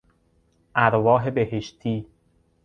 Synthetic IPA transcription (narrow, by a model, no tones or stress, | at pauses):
ʔæɾvɒːɦebeheʃt̪ʰiː